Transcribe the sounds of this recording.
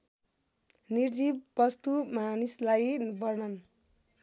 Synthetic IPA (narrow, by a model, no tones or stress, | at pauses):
nird͡zibːʌst̪umanislajbʌrnʌn